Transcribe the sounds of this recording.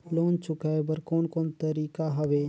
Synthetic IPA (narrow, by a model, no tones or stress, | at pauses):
loːnt͡ʃʊkaebəɾkoːnkoːnt̪əɾiːkaɦɐʋeː